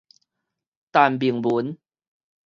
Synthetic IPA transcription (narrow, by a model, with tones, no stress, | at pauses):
t̪a˨˩nbi˨˩əŋbu˨˦n